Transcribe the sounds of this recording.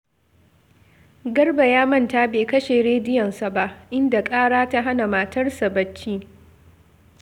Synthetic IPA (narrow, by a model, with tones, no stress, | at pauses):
ɡɐ˦rba˨jaː˦mɐ˦˨nta˦beː˨kɐ˦ʃe˨ɽeː˦dɪ˦jɔ˨nsa˨ba˦ʔʔɪ˦nda˨kʼaː˦ɽaː˦ta˦ɦa˦na˨maː˨tɐ˦rsa˨bɐ˦t͡ʃːiː˦